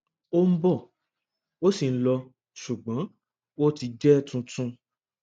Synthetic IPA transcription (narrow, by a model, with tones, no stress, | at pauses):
o˦m̩˦bɔ˦˨ | o˦si˨n̩˦lɔ˧ | ʃu˨ɡ͡bɔ̃˨˦ | wo˦ti˧d͡ʒɛ˦tũ˧tũ˧